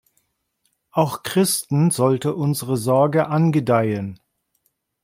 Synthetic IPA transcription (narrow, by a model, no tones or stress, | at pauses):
ʔaʊxkʁ̥ɪstn̩zɔltəʔʊnzəʁəzɔɐɡəʔanɡədaɪən